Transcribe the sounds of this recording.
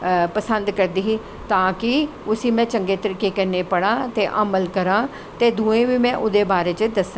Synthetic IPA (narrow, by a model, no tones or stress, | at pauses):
pəsənd̪kəɾd̪iːɦiː | t̪ãːkɪ | ʊsĩːmɛ̃ːt͡ʃəŋɡeːt̪əɾikeːkənːeːpəɽãːt̪eːʔəməlkəɾãː | t̪eːd̪uːẽːʋiːmɛ̃ːʔʊd̪eːbaːɾeːt͡ʃəd̪əsã